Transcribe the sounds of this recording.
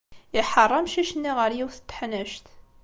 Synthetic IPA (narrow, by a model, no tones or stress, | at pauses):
iħərˤːɑmʃiʃənːiʁəɾjiwθə̥t̪ːħnæʃt̪